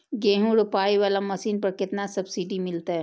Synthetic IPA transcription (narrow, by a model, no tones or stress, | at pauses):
ɡeːɦũɾʊpaːiʋaːlamɐsiːnpɐɾkɪt̪nasɐbsiɖimɪlt̪aɦɛː